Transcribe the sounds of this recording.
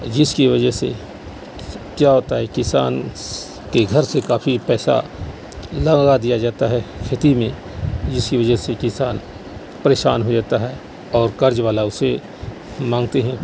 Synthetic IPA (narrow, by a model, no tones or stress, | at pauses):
d͡ʒɪskiʋɐd͡ʒəɦsḛ | kjaːɦoːt̪aɦɛkɪsa̰ːn | keɡʱɐɾsekaːfipɛːsa̰ | lɐɡad̪ijad͡ʒaːt̪aɦɛkʰɪt̪imẽ | d͡ʒɪskiʋɐd͡ʒəsekɪsaːn | pɐɾeːʃa̰ːnɦod͡ʒaːt̪aɦɛː | ɔːɾkɐɾd͡ʒʋaːlaʊse | mãːŋɡt̪eɦɛ̃ː